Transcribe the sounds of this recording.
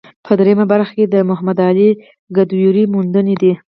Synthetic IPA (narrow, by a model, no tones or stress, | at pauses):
pʰəd̪ɾejamabaɾxḁked̪əmʊɦamad̪ɑli | ɡad̪wjuɾimund̪əned̪i